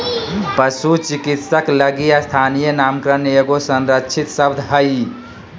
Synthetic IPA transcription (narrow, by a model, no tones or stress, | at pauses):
pəsut͡ʃikit̪səkləɡijast̪ʰanijənamkɾəneeɡosənɾətːt͡ʃʰit̪səbd̪ʱɦəj